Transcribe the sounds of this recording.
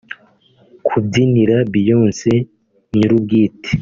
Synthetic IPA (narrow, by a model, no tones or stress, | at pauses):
kʰubɟiniɾabijo̞ːnse | ɲuɾub̚ɡiːte̥